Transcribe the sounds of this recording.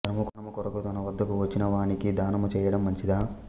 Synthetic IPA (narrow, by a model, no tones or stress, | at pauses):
ɐɾɐmɐkɐnɐmɐkɔɾɐkut̪ɐnɐʋɐd̪ːɐkuʋɐt͡ʃːinɐʋaːɳikid̪aːnɐmut͡ʃɛːjɐɽɐmːɐɲt͡ʃid̪aː